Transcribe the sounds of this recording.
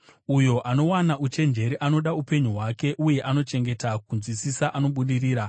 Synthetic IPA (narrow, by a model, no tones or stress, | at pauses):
ujo̞ʔano̞wanaʔut͡ʃe̞nd͡ʒe̞ɾiʔano̞ɗaupe̞ɲuɦwake̞ʔuje̞ʔano̞t͡ʃe̞ŋɡe̞takunzwisisaʔano̞ɓuɗiriːɾa